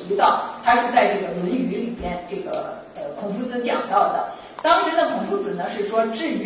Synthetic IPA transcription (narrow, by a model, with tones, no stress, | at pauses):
i˧˥t̪ɑ˥˩ʊt̪ʰa˥ʂɻ̩˥˧t͡sa˥˧ɪʈ͡ʂɤ˥˩ɡə˩wə˧˥ny˧˥li˨˩pjɛ˥nʈ͡ʂɤ˥˩ɡə̰˩ | ə˧kʰʊ˨˩ŋfu˧˥t͡sɹ̩˧˥t͡ɕjɑ̰˨˩ŋt̪ɑ˥˩ʊd̪ə̰˩ | t̪ɑ˥ŋʂɻ̩˧˥d̪ə˧kʰʊ˨˩ŋfu˧˥t͡sɹ̩˨˩nə˧ʂɻ̩˥˩ʂwɔ˥ʈ͡ʂɻ̩˥˩˧